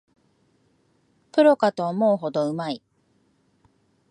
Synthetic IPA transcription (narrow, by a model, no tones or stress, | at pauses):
pɯ̟ɾo̞kat̪o̞ːmo̞ɯɦo̞d̪o̞ɯ̟mai